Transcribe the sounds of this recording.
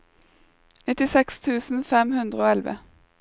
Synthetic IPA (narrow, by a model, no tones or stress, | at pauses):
nɪt̪ɪsɛkst̪ʰʉːsn̩fɛmhʉnd̪ʁəoːɛlʋə̰